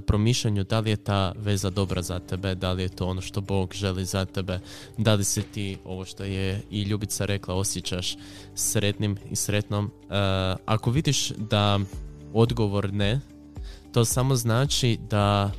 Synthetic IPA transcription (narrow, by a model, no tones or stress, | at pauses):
pɾo̞miʃʎeɲud̪alije̞t̪aːʋe̞zad̪o̞bɾʔazat̪e̞be̞d̪alijet̪o̞ːono̞ʃt̪o̞bo̞ːɡʒe̞lizat̪ebe̞ | d̪aliset̪iːo̞ʋo̞ʃt̪o̞jeiʎuːbit̪saɾʔe̞klˠao̞sjet͡ɕaʃ | sɾe̞t̪nimḭsɾe̞t̪no̞m | ako̞ʋid̪iʃd̪a | o̞d̪ɡo̞ʋo̞ɾne | t̪o̞ːsamo̞znaːt͡ʃid̪a